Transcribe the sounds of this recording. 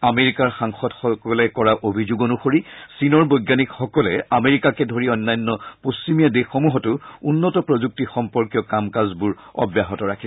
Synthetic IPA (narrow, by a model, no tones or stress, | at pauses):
ameɹikaɹxaŋxɔdxɔkɔlɛkɔɹaʔobʱizoɡonuxoɹisinɔɹbɔjɡjanikxɔkɔlɛameɹikakɛdʱoɹiɔnːajɔnːɔpust͡ɕimijadexomuɦɔtʊunːɔtɔpɹozuk̚tixɔmpɔɹkjɔkamkazbuɹ | ɔ̰bjaɦɔtɔɹakʰi